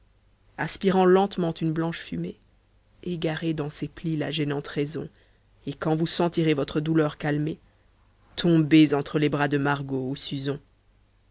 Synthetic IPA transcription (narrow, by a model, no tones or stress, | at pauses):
aspiʁɑ̃lɑ̃t̪mɑ̃t̪ynblɑ̃ʃfyme | eɡaʁed̪ɑ̃seplila̰ʒɛnɑ̃t̪ʁɛzɔ̰̃ | ekɑ̃vusɑ̃t̪iʁevɔt̪χəd̪ulœʁkalme | t̪ʰɔ̃bezɑ̃t̪χəlebʁad̪əmaʁɡousyzɔ̃